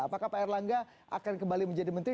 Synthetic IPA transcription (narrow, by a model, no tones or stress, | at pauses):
apakahpaɛrlaŋɡa | ʔa̰kankəmbaliməɲd͡ʒadimənt̪ɾi